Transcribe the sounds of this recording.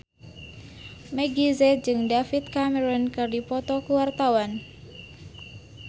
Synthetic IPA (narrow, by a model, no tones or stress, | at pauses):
meɡizɛd͡ʒɨŋdafit̪̚kamɛɾɔnkɨrdipɔt̪ɔkuwart̪awan